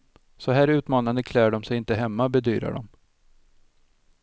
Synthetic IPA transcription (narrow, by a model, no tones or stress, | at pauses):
sɔɦæːɾʉ̟ːt̪mɑːnand̪əkʰlæːɖɔmsɛjɪnt̪əɦɛmːabɛd̪yːɾa̰ɖɔ̰m